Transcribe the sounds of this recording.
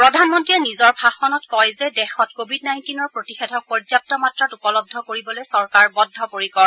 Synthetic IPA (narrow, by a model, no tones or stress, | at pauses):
pɹɔdʱanmɔntɹiɛnizɔɹbʱaxɔnɔtkɔjzɛdɛxɔtkobʱidnajntinɔɹpɹotixɛtʰɔk̚pɔzap̚tɔmatɹatupɔlɔb̚dʱɔkoɹibɔlojsɔɹkaɹbɔdʱːɔpoɹikɔɹɔ